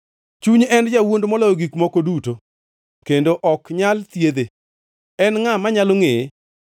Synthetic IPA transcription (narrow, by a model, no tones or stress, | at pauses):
t͡ʃuɲɛnd͡ʒawondomɔlɔoɡikmɔkoduto | kendoʔɔkɲalt̪jed̪e | ɛnŋamaɲaloŋe